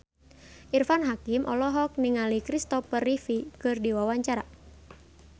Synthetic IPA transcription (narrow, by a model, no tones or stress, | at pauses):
ʔirfanɦakimʔɔ̰lɔɦɔk̚niŋalikɾist̪ɔpərifikɨrdiwawaɲt͡ʃaɾa